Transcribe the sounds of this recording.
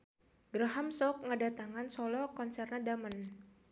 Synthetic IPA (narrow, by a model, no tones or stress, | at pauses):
ɡɾaɦamsɔk̚ŋədat̪aŋansɔlɔkɔnsɛrnadamən